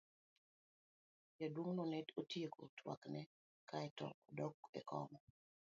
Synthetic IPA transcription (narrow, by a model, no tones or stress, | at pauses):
jadwoŋnɔnɛtotjeko̰tʰwa̰knɛ | kaɛtɔ̰dɔkɛ̰kɔ̰mɔ